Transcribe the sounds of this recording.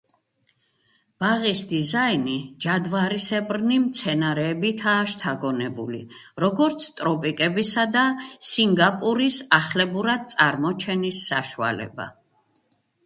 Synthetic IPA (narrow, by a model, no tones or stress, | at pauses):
b̥aʁisd̪izainid͡ʒad̪vaɾisɛbɾnimt̪sʰɛnaɾɛːbit̪ʰaːʃt̪ʰaɡɔnɛbulḭ | ɾɔɡɔɾt̪sʰt̪ʼɾɔpʼikʼɛbisad̪asiŋɡapʼuɾisaχlɛbuɾad̪̚t̪sʼaɾmɔt͡ʃʰɛnisːa̰ʃua̰lɛ̰ba̰